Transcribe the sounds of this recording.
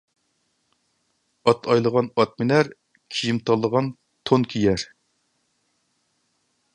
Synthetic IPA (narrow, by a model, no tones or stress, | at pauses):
ɑt̪ʰɑjlˠəʁɑnɑt̪̚mɪnæɾ | kʲʰijimt̪ʰɑlˠːəʁɑn | t̪ʰonkʲʰijɛɾ